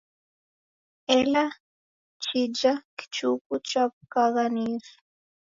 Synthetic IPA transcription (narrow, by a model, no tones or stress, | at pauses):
ɛla | t͡ʃid͡ʒaki̥t͡ʃukut͡ʃap̚kaɣaniːsu̥